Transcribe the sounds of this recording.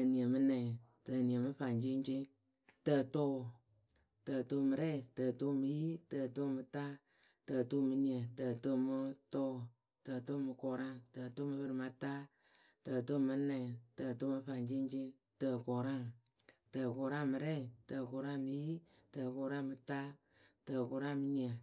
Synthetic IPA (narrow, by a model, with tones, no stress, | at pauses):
tə˨ni˨ə˨mɨ˧nɛ˨ | tə˨ni˨ə˨mɨ˦fa˨nt͡ʃe˦nt͡ʃe˦ | tə˧to˦˨ | tə˧˨to˧˦mɨ˨˧ɾɛ˦˨tə˨to˦mɨ˧ji˦tə˧˨to˦mɨ˧ta˦ | tə˨˧˨to˦˨mɨ˧ni˨ə˨tə˨to˦˨mɨ˧tɔ˦ | tə˧˨to˦mɨ˧kɔ˨ɾa˦˨ŋtə˨to˦mɨ˧bɨ˧ɾɨ˨ma˧ta˦ | tə˨to˦˨mɨ˧˦nɛ˨tə˨to˦mɨ˧fa˨nd͡ʒe˦nt͡ʃe˦ŋ | tə˧˨kɔ˨ɾa˦˨ŋ | tə˨˧kɔ˨ɾa˦ŋmɨ˧ɾɛ˦˨tə˧˨kɔ˨ɾa˦ŋmɨ˧ji˦ | tə˨kɔ˨ɾa˦ŋmɨ˧ta˦ | tə˧kɔ˨ɾa˦ŋmɨ˧ni˨a˨